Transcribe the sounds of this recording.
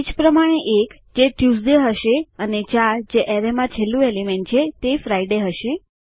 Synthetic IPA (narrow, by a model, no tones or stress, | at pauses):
id͡ʒpɾəmaɽ̃eʔek | d͡ʒeʈjus̬d̪eɦəʃeənet͡ʃaɾd͡ʒeʔɛɾemãt͡ʃʰelːũelimeɳʈ̚t͡ʃʰet̪efɾaiɖeɦəʃe